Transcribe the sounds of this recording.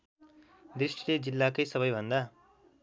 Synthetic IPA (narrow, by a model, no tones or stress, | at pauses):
d̪ɾiʂʈi̥ʈ̪ed͡ʒilːaːkɐjsɐbɐjbɐnd̪a